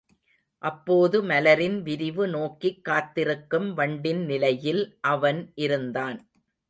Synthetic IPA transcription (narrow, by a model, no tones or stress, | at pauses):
ʔɐpːoːðɯmɐlɐɾɪnʋɪɾɪʋɯnoːkːikːaːt̪ːɪɾɯkːɯmʋɐɳɖɪnnɪlɐjɪlʔɐʋɐnʔɪɾɯnd̪aːn